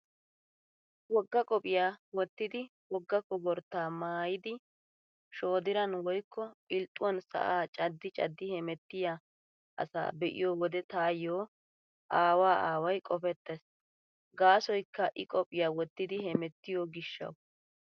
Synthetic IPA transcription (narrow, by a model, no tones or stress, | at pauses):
wɔɡːɐkʼɔpʼɪjaːwɔt̪ːɪd̪ɪwɔɡːɐkɔbɔɾt̪ːaːmaːjɪd̪ɪ | ʃo̞ːd̪ɪɾɐnwɔjkʰːɔɪlt̪ʼːʊwɔnsɐ̰ʔaːt͡ʃʼɐd̪ːɪt͡ʃʼɐ̰d̪ːɪhɛmɛt̪ːɪja | ʔɐ̰sa̰ːbɛʔɪ̰joːwɔd̪ɛt̪aːjoː | ʔaːwaːʔaːwɐjkʼɔfɛt̪ːɛs | ɡaːsɔjkːɐʔɪkʼɔpʼɪjaːwɔt̪ːɪd̪ɪhɛmɛt̪ːɪjoːɡɪʃːɐ̰w